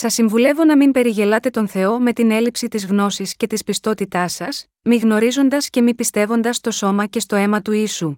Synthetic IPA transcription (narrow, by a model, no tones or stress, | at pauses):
sɐsːiɱvule̞vo̞nɐmimpe̞ɾiʝe̞lɐt̪e̞t̪o̞nθe̞o̞me̞t̪ine̞lipsit̪izɣno̞sisce̞t̪ispist̪o̞t̪it̪ɐsɐs | miɣno̞ɾizo̞nd̪ɐsce̞mipist̪e̞vo̞nd̪ɐst̪o̞so̞mɐce̞st̪o̞e̞mɐt̪uisu